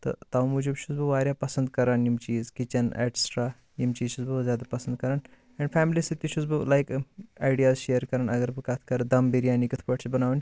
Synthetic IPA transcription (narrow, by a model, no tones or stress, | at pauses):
t̪ɐ̰t̪ɐwmud͡ʒubʃuzbɨʋaːɾʲjapɐsɐnd̪kɐɾaːnjimt͡ʃiːzkit͡ʃɐnḛʈsʈɾaː | jimt͡ʃiːzʃuzbɨzʲjaːd̪ɐpɐsənd̪̚kɐɾaːn | ɛ̃ɳɖfʰɛːmlisit̪iʃuzbɨlajkajɖijaːzʃejəɾkɐɾaːnɐɡɐɾbɨkat̪ʰkɐɾɐd̪ɐmbiɾijaːnikit̪ʰpɐʈt͡ʃibɐnaːʋn